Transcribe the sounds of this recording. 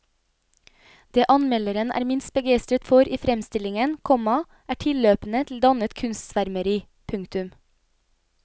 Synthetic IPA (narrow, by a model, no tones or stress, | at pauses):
d̪̥eːʔɑnmɛləɾənʔæ̰ːɾmɪnst̪̚bəɡæɪst̪ɾət̪fɔɾiːfɾɛmst̪ɪlɪŋənkʰɔmɑ | ʔæːʈʰɪløːpn̩ət̪ʰl̩d̪ɑnət̪kʰʉnst̪sʋæɾməɾiː | pʰʉŋkt̪ʉm